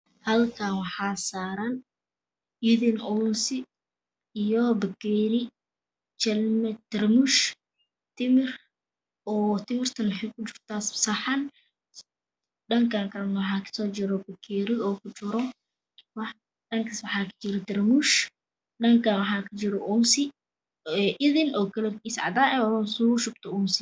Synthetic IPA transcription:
hɐlkʰanwɑħaːsaːɾɐn | iðɪnʔɔnsɪ | ijɔbɐkɛɾɪ | t͡ʃɛlmɛd̪̥ɐrmuʃ | t̪ʰɪmɪr | ɔːt̪ʰɪmɪrt̪ʰɐnwɑħɛjkʰʊt͡ʃɪrt̪ʰaːssɐħɐn | ɗɐŋkaŋkʰɐnwɑħɑːkʰɐ̥sɔːt͡ʃɪɾɔbɐkʰɛɾɪɔːkʊt͡ʃɪɾɔ | wɑ | ɗɐŋkʰɐswɑħɑːkʰɐ̥t͡ʃɪɾɔt̪ɐrmuʃ | ɗɐŋkʰawɑħɑːkʰɐt͡ʃɪɾɔʔʊmsɪ | ɛʔɪðɪnʔɔːkɐlɛrkisʕɑ̰d̪aːɛsuʃʊb̚t̪ʰɔʊmsɪ

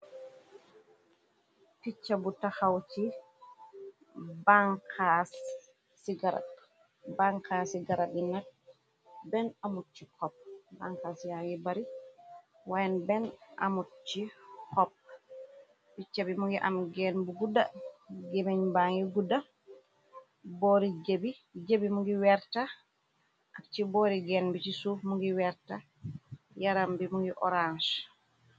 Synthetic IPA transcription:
pit͡ʃːabutahawti | baŋkʰa | siɡaɾa̰ | baŋkʰasiɡaɾabinat̚ | bɛnamut͡ʃːikɔp̚baŋkasijaŋɡibaɾi | wajɛnbɛnʔa̰mut͡ʃːikɔp̚ | b̥it͡ʃabimuŋɡiʔa̰mɡɛnbuɡudːaɡemeɲbaŋɡiɡudːa | bɔɾid͡ʒebi | d͡ʒebimuŋɡiwɛɾta | k̚t͡ʃibɔɾiɡɛnbit͡ʃisumuŋɡiwɛɾta | jaɾambimuŋɡiʔɔ̰ɾanʃ

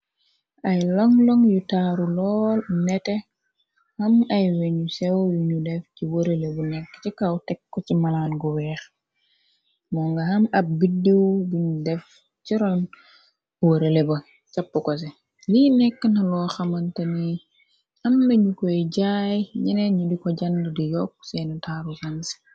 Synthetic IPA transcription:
ɐjlɔŋlɔŋjutaːɾulɔːlnɛtɛ | hɐmɐjweɲusɛwjuɲudɛfciwoɾelebunɛkːt͡ʃikawtɛkːɔcimɐlaːnɡɔwɛːx | mɔŋɡɐhɐmɐb̚bidːewdiɲudɛf | ciɾɔn | woɾelebɐ | t͡ʃɐpːəkɔs̬ɛ | liːnɛkːənɐlɔːxɐmɐntɐni | ɐmnɐɲukɔjɟajɲinɛɲudikɔɟɐndədijɔk̚ːsɛnutʰaɾusɐns

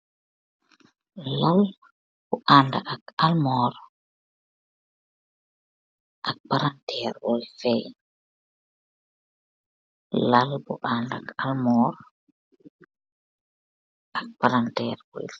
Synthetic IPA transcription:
lal | b̥ɔʔandaʔakalmɔːɾ | ʔak̚paɾantʰɛɾbɔjfɛj | lalbɔ̰ʔandakalmɔːɾ | ʔak̚paɾantɛːɾbɔ̰j

